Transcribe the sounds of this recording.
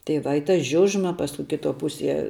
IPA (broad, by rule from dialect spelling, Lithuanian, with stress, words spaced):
tɐɪ ʋɐ ɪ tɐ ˈʒʲʊʒmɐ ˈpɑːskʊ kʲɪˈtoː ˈpʊsʲiɛ